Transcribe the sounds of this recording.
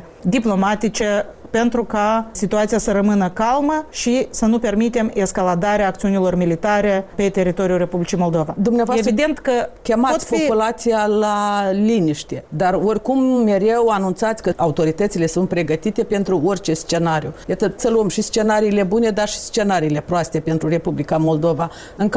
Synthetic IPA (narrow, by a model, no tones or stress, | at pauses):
d̪iplo̞mat̪it͡ʃe̞ | pe̞nt̪ɾukasit̪uat̪sijasəɾəmɨnəkalməʃisənupe̞rmit̪e̞meskalad̪aɾeaːk̚t̪siunilo̞rmilit̪aɾe̞pe̞t̪e̞ɾit̪o̞ɾiulre̞publit͡ʃijmo̞ld̪o̞vad̪umneavoaeevid̪e̞nt̪kəkʲemaot̪spoipulat̪sijalaliniʃt̪ed̪aro̞rʲkumːe̞ɾe̞wanunt̪sat̪sʲkəʔaut̪o̞ɾit̪ət̪sile̞sunt̪̚pɾe̞ɡət̪it̪e̞pe̞nt̪ɾuorʲt͡ʃe̞st͡ʃe̞naɾjujat̪əsəluəmʃist͡ʃe̞naɾiːle̞bune̞d̪arʃi̥st͡ʃe̞naɾiːle̞pɾoast̪e̞pe̞nt̪ɾure̞publikamo̞ld̪o̞va | ɨŋk